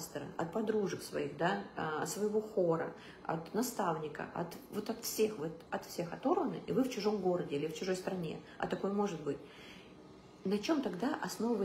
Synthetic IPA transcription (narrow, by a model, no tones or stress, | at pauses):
st̪əɾə̰ʔɐ̰t̪̚pɐd̪ɾuʐəksvɐ̰ixd̪aɐt̪svəjɪvo̞xoɾə̰ | ɐ̰t̪nɐst̪avnʲɪkə̰ɐ̰t̪vo̞t̪ɐt̪fsʲe̞xvot̪ɐt̪fsʲe̞xɐt̪o̞ɾvənɨ̰ʔivɨft͡ɕɪʐo̞mɡo̞ɾədʲɪilʲɪft͡ɕɪʐo̞jst̪ɾɐnʲe̞̰ | ɐ̰t̪ɐko̞jmo̞ʐɨt̪̚bɨtʲ | nɐt͡ɕo̞mt̪ɐɡd̪aʔɐsno̞vəvə